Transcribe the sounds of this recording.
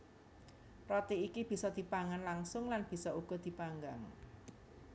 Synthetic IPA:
rɔt̪iikib̥i̤sɔd̪̥i̤paŋanlaŋsʊŋlanb̥i̤sɔuɡ̥ɔ̤d̪̥i̤paŋɡaŋ

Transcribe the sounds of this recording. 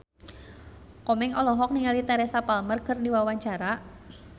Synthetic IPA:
kɔmɪŋɔlɔɦɔk̚niŋalit̪ɛɾɛsapalmərkərniwawaɲt͡ʃaɾa

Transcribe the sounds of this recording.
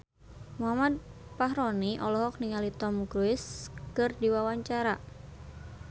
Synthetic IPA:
muɦamad̪̚paɦɾɔniʔɔlɔɦɔk̚niŋalit̪ɔmɡɾuɪskɨrdiwawaɲt͡ʃaɾa

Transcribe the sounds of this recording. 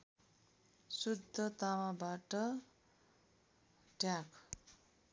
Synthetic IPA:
sud̪ʱːʌt̪awabaʈʌ | ʈjak

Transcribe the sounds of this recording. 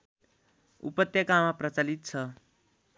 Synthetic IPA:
ṵpʌt̪jʌkamaprʌt͡salit̪̚t͡sʰʌ

